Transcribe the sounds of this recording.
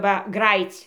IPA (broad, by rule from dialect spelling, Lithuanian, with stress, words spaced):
ˈʋɐ ˈɡrɑːjiːt͡sʲ